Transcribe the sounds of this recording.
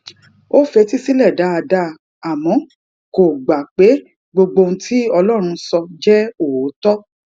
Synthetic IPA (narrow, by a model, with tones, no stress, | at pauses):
o˦fɛ˧˦ti˦si˦lɛ˦˨da˨˦a˧da˦ | a˨mɔ̃˨˦ | ko˨ɡ͡ba˨k͡pe˨˦ | ɡ͡bo˧ɡ͡bo˧n̩˦tʰi˦ɔ˧lɔ˦˨ɾ̃ũ˧sɔ˧d͡ʒɛ˦o˨o˨˦tɔ˦